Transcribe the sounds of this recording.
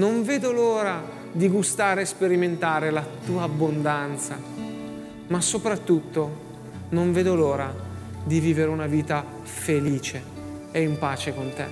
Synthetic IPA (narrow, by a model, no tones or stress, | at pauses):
noɱveːd̪oloːɾa | d̪iɡust̪aːɾeɛspeɾiment̪aːɾelat̪uːaːbːond̪ant̪sa̰ | masːopɾat̪ːut̪ːo | noɱveːd̪oloːɾa | d̪iviːveɾeunaviːt̪a | feliːt͡ʃe | eimpaːt͡ʃekont̪ḛ